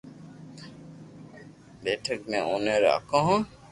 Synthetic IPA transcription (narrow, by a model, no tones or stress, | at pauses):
beːʈʰəkmẽoːneɾa̰kõːɦõː